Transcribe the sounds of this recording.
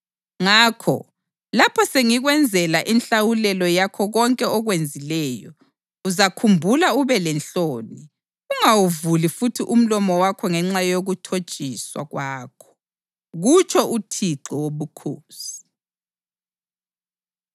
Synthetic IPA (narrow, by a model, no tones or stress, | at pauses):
ŋaːkʰɔ̰ | lapʰɔseŋiɣwɛnd͡zʱɛlaʔinɬawulɛlɔjakʰɔɣɔŋkʼɛɔɣwend͡zʱilɛːjɔ | uzakʰumbʱulauβɛlɛnɬoːni | uŋawuvulifutʰiʔum̩lɔmɔwakʰɔŋɛŋ͡ǁajoɣutʰo̥t͡ʃʼiswa̰ɣwaːkʰɔ̥ | ɣut͡ʃʰɔutʰiǃɔwoβukʰoːsi̥